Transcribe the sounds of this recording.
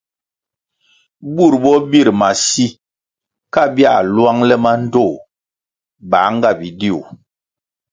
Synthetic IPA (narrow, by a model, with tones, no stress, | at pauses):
bu˦˨ɾbɔ˦bi˦˨ɾma˨si˦ | ka˦bi˦a̰˨lwa˦ŋlɛ˦ma˦n̩˦do˦˨ | ba˨˦ŋ˦ɡa˦˨bi˨di˦˨ṵ˨